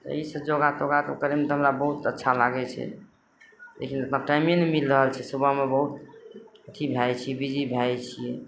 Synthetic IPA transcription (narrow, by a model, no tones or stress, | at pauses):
t̪ə̰isəbd͡ʒoɡat̪oɡat̪əkəɾemet̪ɔɦəmɾabəɦut̪ətːʃʰalaɡɛt͡ʃʰɛ̰ | lḛkʰinəpnaʈajminemilɾəɦəlt͡ʃʰɛsubəmebəɦut̪ət̪ʰibʱajt͡ʃʰiɛbid͡ʒibʱajt͡ʃʰiɛ